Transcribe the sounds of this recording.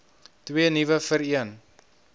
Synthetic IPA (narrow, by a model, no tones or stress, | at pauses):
twiənivəfəɾiən